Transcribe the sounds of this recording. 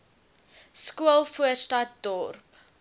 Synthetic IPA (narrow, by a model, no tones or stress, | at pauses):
skuəlˠfuərstɐt̚dɔrp